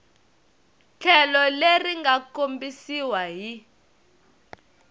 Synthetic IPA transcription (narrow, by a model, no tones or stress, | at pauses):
t͡ɬʰɛlɔleriŋɡakombisiwaɦi